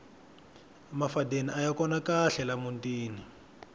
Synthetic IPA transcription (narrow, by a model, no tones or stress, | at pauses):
mafadeniʔajakɔnakaɬɛlamuntiːni